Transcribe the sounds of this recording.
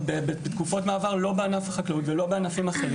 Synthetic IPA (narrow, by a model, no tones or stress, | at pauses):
bebebet̪kufotmaːvaʁlo̞beanafaχaklautvelo̞beanafimaχeʁi